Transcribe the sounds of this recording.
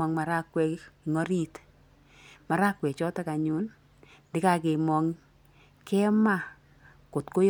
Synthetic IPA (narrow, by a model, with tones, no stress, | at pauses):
ɔ˨ŋma˨ɾa˦kwɛ˧˨ŋɔ˦ɾi˦t | ma˨ɾa˦kwɛ˨t͡ʃɔ˦ta˦ka˨ɲu˦n | dɪ˦ka˨ke˨mɔ˨ŋ | kɛ˦ma˦ | ko˨tko˦j